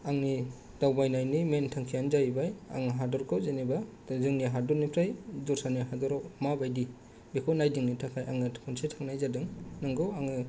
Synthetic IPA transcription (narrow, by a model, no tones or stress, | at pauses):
aŋni | d̥awbajnajnimentʰaŋkʰijanzajbaja̰ŋɯɦadɔɾkʰɔwzenibazɯŋniɦadɔɾnipʰɾajdɔɾsaniɦadɔɾawmabajdi | bikʰɔnajdɯŋnitʰakʰajʔaŋɯkʰɔnsetʰaŋnajzadɯŋnɯŋɡɯwaŋɯ